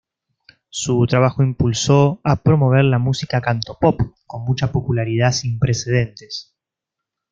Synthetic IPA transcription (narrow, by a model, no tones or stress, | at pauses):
sut̪ɾaβ̞axo̞impulso̞apɾo̞mo̞β̞eɾlamusikakant̪o̞popko̞nmut͡ʃapo̞pulaɾið̞asimpɾe̞se̞ð̞e̞nt̪e̞s